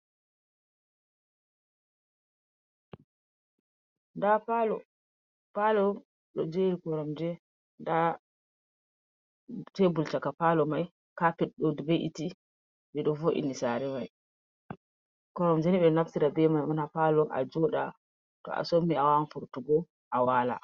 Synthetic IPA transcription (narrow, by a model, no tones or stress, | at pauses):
ndapalɔ̰ | palɔ | ɗɔd͡ʒeɾikɔɾɔmd͡ʒɛ | nda | tebult͡ʃakapalɔmaj | kapɛɗɗodibeʔḭti | ɓɛɗɔfoʔḭnisaɾɛmaj | kɔɾɔmd͡ʒɛniɓɛnaftiɾabɛmajmɔnapalɔʔa̰d͡ʒɔɗa̰ | tɔ̰a̰somːiawanfuɾtuɡɔ | ʔawaːla̰